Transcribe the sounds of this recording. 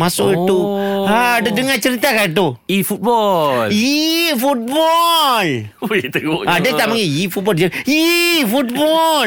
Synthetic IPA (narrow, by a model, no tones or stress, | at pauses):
masʊʔit̪uadədəŋat͡ʃəɾit̪akait̪̬uifut̪̚bɔlifut̪̚bɔl | t̪əadət̪aʔmaŋiifut̪̚bɔldd͡ʒaifut̪̚bɔl